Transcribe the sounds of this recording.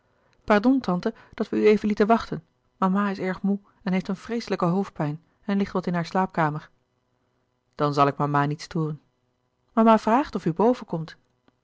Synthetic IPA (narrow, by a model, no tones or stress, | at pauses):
pɑɹdɔntɑntə | d̥ɑtʋəyejvənlitənʋɑχtən | mamaːɪsɛɹχmu | ɛnɦejftənfrejsələkəɦowf̚pɛjn | ɛnlɪχtʋɑtɪnɦaːɹslaːp̚kaːməɹ | d̥ɑnzɑlˠɪk̚mamaːnitstoːrən | mamaːv̥raːχtɔfybowvəkɔmt